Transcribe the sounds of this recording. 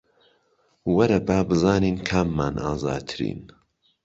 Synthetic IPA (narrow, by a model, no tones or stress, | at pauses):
wɐɾɐbaːbɨzaːniːnkʰaːmːaːnʔa̰ːza̰ːd̪̚t̪ʰɨɾḭːn